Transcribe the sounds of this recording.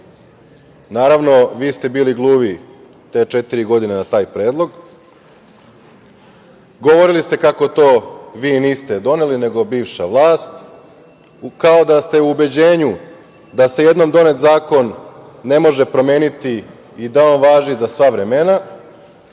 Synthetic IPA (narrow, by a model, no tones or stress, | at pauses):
naːɾaʋno̞ʋiːst̪e̞biːliɡlˠuːʋi | t̪e̞ːt͡ʃe̞t̪iɾiɡo̞d̪inenat̪aːjpɾeːd̪lˠo̞ɡ | ɡo̞ʋo̞ɾilist̪e̞kako̞t̪o̞ːʋiːniːst̪e̞d̪o̞ne̞line̞ɡo̞biːʋʃaʋlˠaːst̪ | kao̞d̪ast̪e̞uːbe̞d͡ʑe̞ːɲu | d̪ase̞je̞d̪no̞md̪o̞ne̞t̪zaːko̞nː | e̞mo̞ʒe̞pɾo̞me̞ːnit̪iː | d̪ao̞ːnʋaːʒizasʋaʋɾe̞me̞na